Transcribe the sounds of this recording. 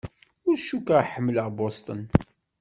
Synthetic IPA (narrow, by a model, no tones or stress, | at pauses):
ʊɾʃukaħəmːələʁbost̪ˤən